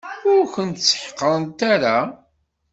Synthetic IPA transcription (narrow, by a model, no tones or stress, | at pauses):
ʊɾçənt̪sə̥ħqːəɾˤənt̪aɾa